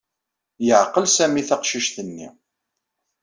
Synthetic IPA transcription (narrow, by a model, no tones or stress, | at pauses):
jəʕqːəlsæmiθɑqʃiʃθənːḭ